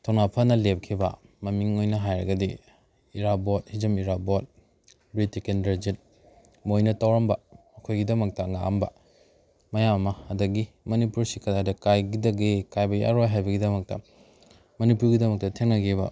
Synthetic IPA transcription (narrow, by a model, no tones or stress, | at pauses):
tʰonapʰɐnɐlep̚kʰibɐ̰ | mɐmiŋojnɐɦajɾɐɡɐdi | iɾabot̚hizɐmiɾabot̚ | bɾitikendɐd͡ʒit̚ | mojnɐtawɾɐmbɐ | ɐkʰojɡidɐmɐk̚tɐŋa̰ɐmbɐ | mɐjamɐmɐːdɐɡi | mɐnipuɾsikɐdajdɐkajɡidɐɡekajbɐja̰ɾojɦajbɐɡidɐmɐk̚tɐ̰ | mɐnipuɾɡidɐmɐk̚tɐtʰeŋnɐɡibɐ̰